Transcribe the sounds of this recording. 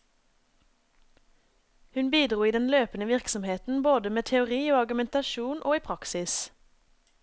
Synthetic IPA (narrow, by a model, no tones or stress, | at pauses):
hʉnbiːd̪ʁuːiːd̪ɛnløːpənəʋɪʁksɔmheːt̪n̩boːd̪əmeːt̪ʰɛʊʁiːoːɑʁɡʉmɛnt̪ɑʃuːnʔo̰ːiːpʰʁɑksɪs